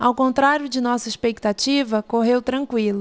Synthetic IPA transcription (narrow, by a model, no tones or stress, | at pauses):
awkõnt̪ɾaɾjʊd͡ʒɪnɔsɐiʃpek̚t̪at͡ʃivɐkoɦewt̪ɾɐ̃ŋkwilʊ